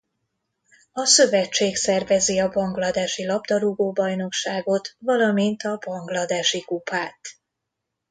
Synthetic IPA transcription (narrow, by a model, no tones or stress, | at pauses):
ɒsø̞vɛt͡ʃːeːksɛrvɛziɒbɒŋɡlɒd̪aːʃilɒbd̪ɒɾuɡoːbɒjno̞kʃaːɡo̞t̪vɒlɒmint̪ɒbɒŋɡlɒd̪aːʃikupaːt̪